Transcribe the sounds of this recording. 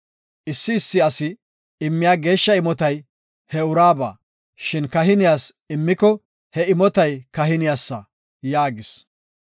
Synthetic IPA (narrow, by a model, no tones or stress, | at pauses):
ʔɪsːɪːsːɪɐsɪ | ɪmːɪjaːɡe̞ːʃːɐɪmɔt̪ɐj | hɛʊɾaːba̰ː | ʃɪnkɐɦɪnɪjaːs | ɪmːɪkɔ | hɛɪmɔt̪ɐjkɐɦɪnɪjaːsːɐ | jaːɡɪs